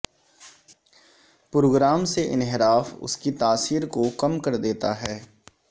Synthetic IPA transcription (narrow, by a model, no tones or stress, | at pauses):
pɾoːɡɾaːmseʔɪ̰nɦɪɾaːfʊ̰skit̪aːsiːɾkokɐmkɐɾd̪eːt̪aɦɛː